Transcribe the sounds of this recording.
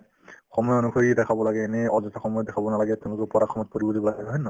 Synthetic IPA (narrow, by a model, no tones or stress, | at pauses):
xɔmɔjonukʰoɹidɛkʰabɔlaɡɛːnɛɔzɔtaxɔmɔjɔdɛkʰabɔnalaɡɛtɛʊ̃lʊkɔpɔɾakʰːɔmɔt̚koɹibɔdibɔlaɡɦɔnɔ